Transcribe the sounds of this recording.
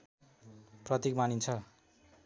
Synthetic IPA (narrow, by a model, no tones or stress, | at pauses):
prʌt̪ikmanint͡sʰʌ